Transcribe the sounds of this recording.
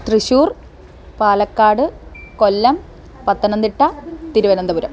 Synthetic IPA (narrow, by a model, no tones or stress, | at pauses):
t̪riɕuːr | paːlɐkːaːɽɨkolːɐm | pɐt̪ːɐnɐnd̪iʈːɐt̪iɾuʋɐnɐnd̪ɐʋuɾɐm